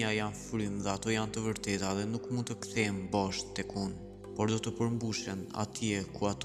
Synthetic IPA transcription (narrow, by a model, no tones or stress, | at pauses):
ajanfɾymðɛat̪ɔjant̪əvəɾt̪ɛt̪aðɛnukmund̪t̪əkθɛmbaʃt̪t̪ɛkun | pɔɾd̪ɔt̪əpəɾmbuʃɛna̰t̪ʰiɛkuat̪